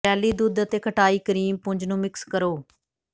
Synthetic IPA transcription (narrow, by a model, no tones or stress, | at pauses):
ɛːliːd̪ud̪ət̪eːkʰəʈaːiːkəɾiːmpʊɲd͡ʒnũːmɪkskəɾoː